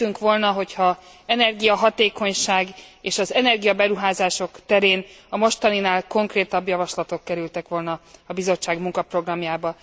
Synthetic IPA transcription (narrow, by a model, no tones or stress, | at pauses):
yŋkʋo̞lnɒɦo̞chɒ | ɛnɛrɡijɒɦɒt̪eːko̞ɲʃaːɡeːʃɒzɛnɛrɡijɒbɛɾuɦaːzaːʃo̞kt̪ɛɾeːnɒmo̞ʃt̪ɒninaːlko̞ŋkreːt̪ɒbjɒvɒʃlɒt̪o̞kkːɛɾylt̪ɛkʋo̞lnɒɒbizo̞t͡ʃːaːɡmuŋkɒpro̞ɡrɒmjaːbɒ